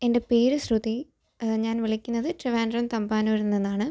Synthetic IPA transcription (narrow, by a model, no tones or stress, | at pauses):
e̞nde̞peːɾɨsruði | ɲaːnʋiɭikʲːunːɐðɨtreʋaːndrɐmt̪ɐmbaːnuɾunːenːaːɳɨ